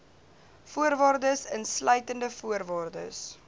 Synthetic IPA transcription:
fuəɾvɑːrdəsənslœɥtəndəfuərvɑːrdə̰s

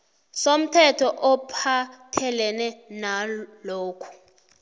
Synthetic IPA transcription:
som̩tʰɛtʰɔʔɔpʰatʰɛlɛnɛnaloːkʰu̥

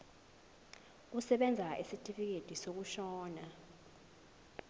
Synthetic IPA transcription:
k̬usɛɓɛnd͡zʱaʔisitʼifik̬ed̥ʱisok̬uʃɔːna

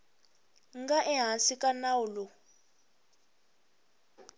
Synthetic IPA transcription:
ŋɡaʔɛɦasikanaulɔ

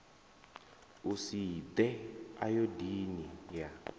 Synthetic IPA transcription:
usid̪ɛa̰jodinija

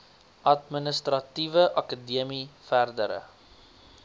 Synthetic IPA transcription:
ʔɐtmənəstɾɐtivəʔɐkədiəmifærdə̰ɾə̰

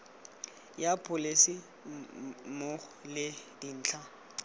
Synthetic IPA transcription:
japʰʼʊlesi | molɪdin̩ːt͡ɬʰa

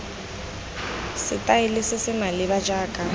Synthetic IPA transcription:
sɪtʼaɪlɪsɪsɪmalɪβad͡ʒaːkʼa

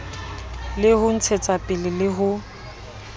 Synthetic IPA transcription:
lɪhʊn̩t͡sʰet͡sʼapʼɪlɪlɪɦʊ

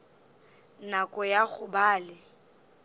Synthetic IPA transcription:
nakʼɔjaɣʊbaːlɪ

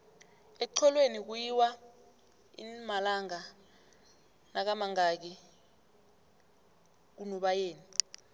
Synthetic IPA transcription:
ɛǀʰɔlwenik̬ujiwa | ḭmalaŋa | nak̬amaŋak̬i | k̬unɔɓajeːni

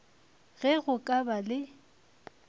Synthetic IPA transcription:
ɣɛɣʊkʼabalɪ

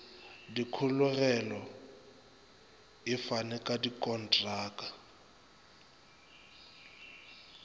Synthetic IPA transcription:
dikʰʊlʊɣɛlɔ | ɪfanɛkʼadikʼɔn̩tʼraːkʼa

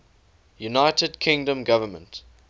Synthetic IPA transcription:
junaɪtədkʰɪ̃ŋdə̃mɡavəmə̰̃nt

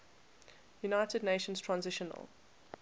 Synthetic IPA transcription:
junaɪtədⁿneɪʃə̃nstʰɹ̥ãnzɪʃə̃nə̰l

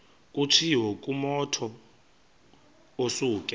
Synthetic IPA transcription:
kʼut͡ʃʰiwɔkʼumɔtʰɔ | osuːkʼɛ

